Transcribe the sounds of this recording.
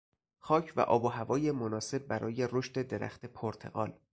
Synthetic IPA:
xɒːcʰvæ̰ʔɒ̰ːboɦævɒːjemonɒːse̞b̚ːæɾɒ̰ːje̞ɾoʃt̪e̞d̪eɾæ̰xt̪e̞pʰoɾt̪ʰe̞̰ɣɒ̰ːl

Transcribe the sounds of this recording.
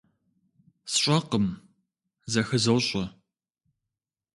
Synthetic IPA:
sɕʷʼɐqəm | zɐxɨzɐwɕʼɐ

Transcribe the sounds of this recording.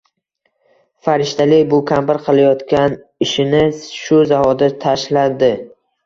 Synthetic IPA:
faɾɪʃt̪ʰalɪbʊkʲʰambɪɾqʰɨlˠajɒt̪kʲan | ɪʃɪnɪʃʊzaɦɒd̪at̪ʰaʃlad̪ɪ

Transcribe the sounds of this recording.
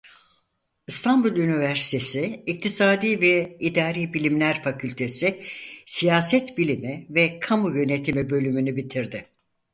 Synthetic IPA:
ɯst̪ʰambulʲˠynivæɾsi̥t̪ʰe̞sɪːc̚t̪ʰisaːd̪iːvɛid̪aːɾiːbilʲimlʲæɾfacʰylʲt̪ʰe̞sɪsijaːsɛt̪bilʲimivɛkʰamujø̞ne̞t̪ʰimibø̞lʲymynybit̪ʰiɾd̪ɪ

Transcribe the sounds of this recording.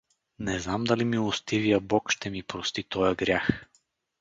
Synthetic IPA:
nɛznamd̪alimilˠost̪ivijɐbɔkʃt̪ɛmipɾost̪it̪ɔjəɡɾʲjax

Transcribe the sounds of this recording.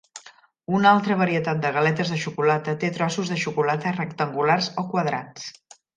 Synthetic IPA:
unalˠt̪ɾəβ̞əɾiət̪at̪̚d̪əɣəlɛt̪əzðəʃukulat̪ət̪et̪ɾɔsuzðəʃukulat̪ərəkt̪əŋɡularzokwəðɾa̰t͡s

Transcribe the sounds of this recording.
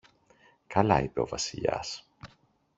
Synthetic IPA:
kɐlɐ̰ipe̞o̞vɐsiʎɐ̰s

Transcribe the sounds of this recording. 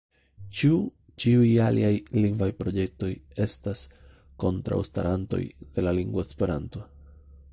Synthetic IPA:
t͡ʃu | t͡ʃiujalʔḭajliŋɡvajpɾo̞d͡ʒe̞k̚to̞je̞stas | ko̞ntɾa̰wsta̰ɾanto̞̰jd̥e̞laliŋɡvoespe̞ɾanto̞

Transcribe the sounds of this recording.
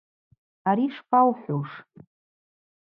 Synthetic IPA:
aɾiʂpʰawħʷoʂ

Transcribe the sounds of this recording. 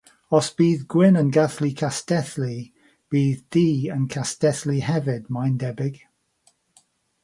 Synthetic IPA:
ɔsb̥iːðɡwɪnənɡaθlikʰastɛθli | b̥iːðːiːənkʰastɛθlihɛvɪdmajndɛbɪɡ̥

